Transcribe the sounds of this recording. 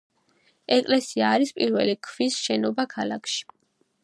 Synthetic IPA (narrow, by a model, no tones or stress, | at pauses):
ɛkʼlɛsiaːɾispʼiɾvɛlikʰvisʃɛnɔbakʰalˠakʰʃi̥